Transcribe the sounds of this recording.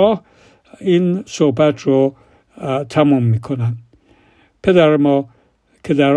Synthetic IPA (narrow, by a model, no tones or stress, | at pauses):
ɒːh | insohbæt̪ʰro | t̪ʰæmumːiːkʰonæn | pʰe̞d̪æɾemɒː | kʰe̞d̪æɾ